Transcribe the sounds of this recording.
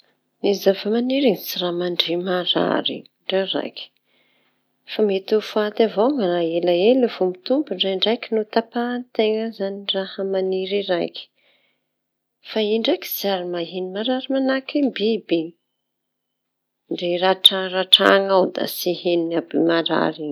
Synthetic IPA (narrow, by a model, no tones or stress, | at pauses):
nizavamaniɾiŋisiramaɳɖ͡ʐimaɾa̰ɾḭ | ɳɖ͡ʐaɾa̰jkʲi̥ | famet̪ufuat̪avoŋanaelaelevomit̪umbuɳɖ͡ʐaiɳɖ͡ʐajkʲinut̪apant̪eŋəzanirahəmaniɾiɾajkʲi̥ | faiɳɖ͡ʐaki̥ziaɾimaɦenimaɾaɾimanakimbibi | ɳɖ͡ʐeɾaʈ͡ʂaraʈ͡ʂa̰ŋawd̪a̰sihennabimaɾa̰ɾi